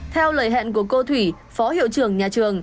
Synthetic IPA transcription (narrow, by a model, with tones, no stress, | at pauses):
t̪ʰɛ˧wləː˨˩jɦɛ̰˧˨nku˧˩əko˧t̪ʰwi˧˩ | fɔ˨˦hḭ˧˨əwt͡ɕɨ˨˩əŋɲaː˨˩t͡ɕɨ˨˩əŋ